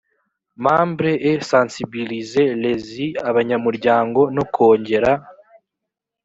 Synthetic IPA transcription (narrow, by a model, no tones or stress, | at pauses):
maːmbɾeʔːsansibilize̞le̞ziaβaɲamuɾɟaːŋɡo̞nokʰo̞ːɲɟe̞ɾa